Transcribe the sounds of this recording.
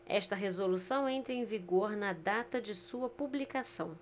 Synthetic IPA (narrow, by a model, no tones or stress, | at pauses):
ɛ̰ʃt̪ɐɦezolusɐ̃w̃ẽnt̪ɾɐẽj̃viɡoɾnɐd̪at̪ɐd͡ʒɪsuɐpublikasɐ̃w̃